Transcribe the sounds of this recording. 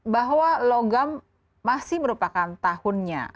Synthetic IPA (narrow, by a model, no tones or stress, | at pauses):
baɦwaloɡamː | asɪhməɾupakant̪ahʊnɲa̰